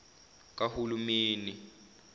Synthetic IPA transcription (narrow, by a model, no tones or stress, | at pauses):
k̬ʼahulumeːni